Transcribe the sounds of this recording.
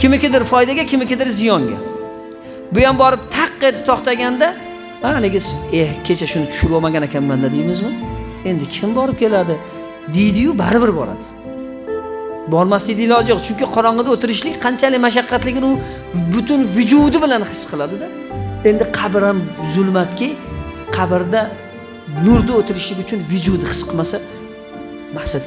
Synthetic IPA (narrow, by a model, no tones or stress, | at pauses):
kʲɪmɪkʲɪd̪ɪɾfɒjd̪aɡʲakʲʰɪmɪkʲɪd̪ɪɾzɪjɒŋɡʲa̰ | bʊjambɒɾɪp̚t̪ʰaqːet̪ɪ̥t̪ʰɒχt̪aɡʲand̪a | aleɡʲɪsehkʲʰe̞t͡ʃʰaʃʊnɪt̪ʰʊ̥ʃʊɾvɒmaɡʲanekʲanmand̪ad̪ejmɪzmɪ | e̞nd̪ɪkʲʰɪmbɒɾɪp̚kʲʰe̞lad̪ɪ | d̪ejd̪ɪjʊbaɾɪbɪɾbɒ̰ɾa̰d̪̥ɪ̥ | bɒɾmast̪ɪd̪ɪlɒɪd͡ʒoqt͡ʃʰʊŋkʲɪqʰɒɾɒɴʁɨd̪aot̪ɪɾɪʃlɪkʲqʰɑnt͡ʃʰalɪmaʃ̬aqːɑt̪lɪɡʲɪnʊ | bʊt̪ʊnvɪd͡ʒud̪ɪbɪlanhɨsːqʰɨlˠad̪ɪd̪a | e̞nd̪ɪqʰɑbɪɾamzʊlˠmat̪kʲaqʰɑbɪɾd̪a | nʊɾd̪aot̪ʰɪɾɪʃlɪkʲʊt͡ʃʰʊnvʊd͡ʒud̪ɪhɨ̥sqʰɨmasa | mahsat̪